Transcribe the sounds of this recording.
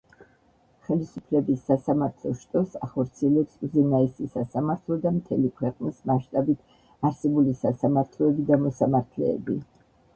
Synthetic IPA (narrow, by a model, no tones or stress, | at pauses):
χɛlisupʰlɛbisːasamaɾt̪ʰlˠɔʃt̪ʼɔsaχɔɾt̪sʰiɛlɛpsuzɛnaɛsisasamaɾt̪ʰlˠɔd̪amt̪ʰɛlikʰwɛqʼnismaʃt̪ʼabit̪ʰ | aɾsɛbulisasamaɾt̪ʰlˠɔɛbid̪amɔsamaɾt̪ʰlɛ̰ːbi